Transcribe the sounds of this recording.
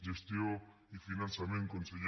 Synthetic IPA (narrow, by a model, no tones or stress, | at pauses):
d͡ʑest̪jo | ifinãnsamẽŋkonsej